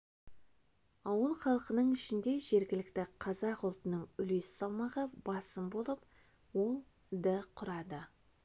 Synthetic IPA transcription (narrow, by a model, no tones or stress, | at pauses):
ɑwəlˠχɑlˠəqənəɴɪʃɪnd̪e̞ʒe̞ɾɡʲɪlɪk̚t̪ɪqʰɑzɑqʊlˠt̪ənəɴʏle̞sɪ̥sɑlˠmɑʁɑbɑsəmbo̞lˠəp | wo̞lˠ | d̪əqʰʊɾɑd̪ə